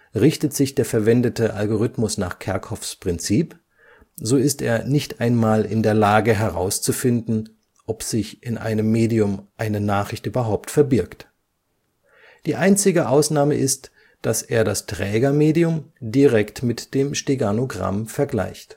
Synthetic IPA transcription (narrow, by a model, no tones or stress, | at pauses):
ʁɪçtətz̥ɪçd̥eːɐfɛɐvɛndətəʔa̰lɡoʁ̞ʏtmʊsna̰ːχkʰɛɐkʰɔfspʁ̥ɪnt͡siːp | zoːɪsteːɐnɪçtʔaɪnmaːlɪ̰ndeːɐlaːɡəɦɛʁa̰ʊst͡sufɪndn̩ | ʔɔpz̥ɪçʔɪnʔa̰ɪnəmːeːdiʊmʔaɪnənaːχʁ̥ɪçtʔyːbɐɦaʊptfɛɐbɪɐkt | d̥iːʔaɪnt͡sɪɡəʔaʊsnaːməʔɪst | d̥aseːɐdastʁ̥ɛːɡɐmeːdiʊmdiʁɛktmɪtd̥eːmʃteɡanoɡʁa̰mfɛɐɡla̰ɪçt